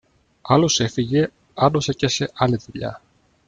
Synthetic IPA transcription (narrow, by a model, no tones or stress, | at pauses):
ɐlo̞se̞fiʝe̞ | ɐd̪o̞secese̞ʔɐlitiʎɐ̰